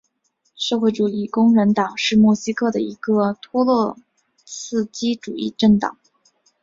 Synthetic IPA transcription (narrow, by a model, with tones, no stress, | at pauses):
ʂɤ˥˧xwe˥˩ɪʈ͡ʂu˨˩i˥˩kʊ˥ŋɻə˧˥nt̪ɑ˨˩ŋʂɻ̩˥˧mwɔ˥˩ɕi˥kʰɤ˥˩d̪ə˩i˧˥ɡə˧t̪ʰwɔ˥lwɔ˥˧ | t͡sʰɹ̩˥˩t͡ɕi˥ʈ͡ʂu˨˩i˥˧ʈ͡ʂə˥˩ŋt̪ɑ̰˨˩˦ŋ